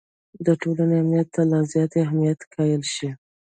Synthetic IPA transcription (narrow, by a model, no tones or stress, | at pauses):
d̪əʈolaneamnijat̪ːalazjɑt̪eahmijat̪kʰɑjəlʃi